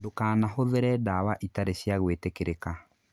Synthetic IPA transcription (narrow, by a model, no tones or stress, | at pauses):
dokaːnaɦoðeɾɛdawaʔitaɾeɕjaɣwetekeɾeka